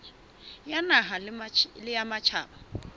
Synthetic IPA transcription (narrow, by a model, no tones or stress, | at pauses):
janaɦallɪjamat͡ʃʰaːba